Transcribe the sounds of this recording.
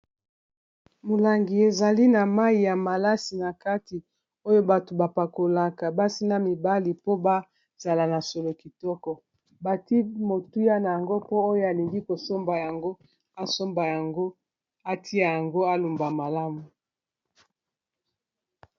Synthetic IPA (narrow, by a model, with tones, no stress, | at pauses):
mo˨la˨ŋɡi˨e˨za˨li˦na˨ma˦i˨ja˨ma˨la˦si˨na˨ka˦ti˨ | o˦jo˦ba˨to˨ba˨pa˨ko˨la˨ka˨ba˦si˦na˦mi˨ba˦li˨po˦ba˦ | z̥a˨la˨na˨so˨lo˨ki˨tɔ˦kɔ˨ | ba˨ti˦mo˨tu˦ja˦na˨ja˨ŋɡo˦po˦o˦jo˦a˨li˨ŋɡi˦ko˨so˦mba˨ja˨ŋɡo˦ | a˦so˦mba˨ja˨ŋɡo˦ | a˦tʰi˦a˨ja˨ŋɡo˦a˦lu˨mba˨ma˨la˦mu˨